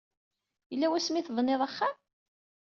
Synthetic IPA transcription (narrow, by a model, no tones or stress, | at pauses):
jəlːæwæsmiθvˤnːeðˤɑχːam